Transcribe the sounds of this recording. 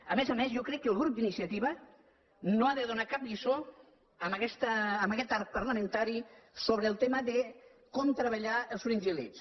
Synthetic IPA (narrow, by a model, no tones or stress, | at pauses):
əmezəmezjokɾɛkːəlˠɣɾup̚d̪inisiət̪iβə | noaðəðunakap̚lizo | əməkɛst̪əːməkɛt̪aɾt̪̚pərləmə̃nt̪aɾisoβɾəːlˠt̪eməðə | kɔmt̪ɾəβ̞əʎaəlˠsfɾinzilis